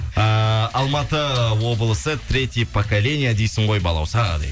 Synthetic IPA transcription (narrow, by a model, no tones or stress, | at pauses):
əɑlˠmɑt̪əwo̞bəlˠəsət̪ʰɾʲe̞t̪ʲjepʰokalʲe̞nʲijad̪ejsɪɴʁo̞jbɑlˠɑ̰wsɑɑ̰d̪ɑ̰